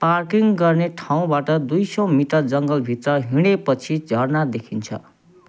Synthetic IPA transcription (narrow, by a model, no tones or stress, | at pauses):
parkiŋɡʌrneʈʰaw̃baʈʌd̪ujsʌ̃miʈʌrd͡zʌŋɡʌlbʱit̪rʌɦiɽ̃epʌt͡sʰid͡zʱʌrnad̪ekʰint͡sʰʌ̰